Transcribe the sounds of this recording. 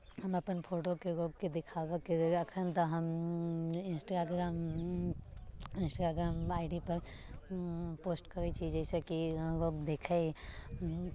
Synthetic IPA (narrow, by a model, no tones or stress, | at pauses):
ɦɐmɐpənpʰoːʈokeɾoːɡ̚ked̪ɪkʰaːʋəkeɐkʰənt̪oɦəm | ɪ̃nsʈaaɡɾaːm | ɪ̃nsʈaɡaːɡɾaːmaːɪɖipɐɾ | poːsʈkɐɾet͡ʃʰid͡ʒɛːsekiɾoːɡd̪eːkʰe